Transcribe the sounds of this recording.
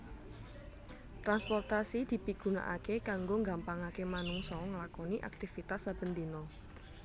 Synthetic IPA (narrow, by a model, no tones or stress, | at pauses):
t̪ɾanspɔrt̪asid̪̥i̤piɡ̥ṳna̰ʔa̰kekaŋɡoŋɡampaŋakemanuŋsɔŋəlakɔniʔa̰k̚t̪ifit̪asːab̥ə̤nd̪inɔ